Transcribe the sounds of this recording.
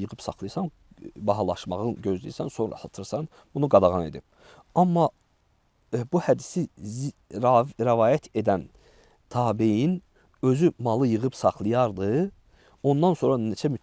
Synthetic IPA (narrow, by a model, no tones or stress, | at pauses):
jɯʁɯpsɑχlˠɯjsɑn | bɑɦɑlˠɑʃmɑʁɯnɟø̞zlḭjisænso̞nɾɑ̰sɑt̪ʰɯɾsɑn | bunuɡɑd̪ɑʁɑne̞̰d̪ib̥̚ | ɑmːɑ | buhæd̪isiz | ɾævɑːjæt̪ʰe̞d̪æn | t̪ʰɑːbijin | ø̞zymɑlˠɯjɯʁɯpsɑχlˠɯjɑɾd̪ɯ | o̞nd̪ɑnso̞nɾɑnet͡ʃʰæmy